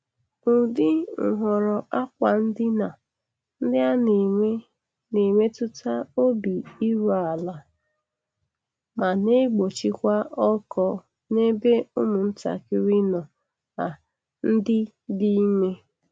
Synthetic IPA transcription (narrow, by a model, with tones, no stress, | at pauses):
ʊ˨dɪ˦ŋ̩˨ɦʷɔ˨ɾɔ˨ʔa˦kʷa˨n̩˦dɪ˦na˨ | n̩˦dɪ˦a˦n˨˦ | ne˨me˦tʊ˦ta˦o˦bi˨i˦ɾa˨a˨la˨ | ma˨ne˦ɡ͡bo˨t͡ʃi˦kʷa˦ʔɔ˦kɔ˦ | ne˦be˦ʊ˦mʊ˨n̩˦ta̰˨kɪ˦ɾi˦nɔ˨ | a˨ | n̩˦dɪ˦ | di˦me˦